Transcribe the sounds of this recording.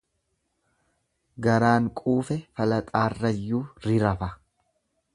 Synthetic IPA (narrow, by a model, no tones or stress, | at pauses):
ɡɐɾaːŋkʼuːfɛfɐlɐt̪ʼaːrːɐjːuːɾɪɾɐfɐ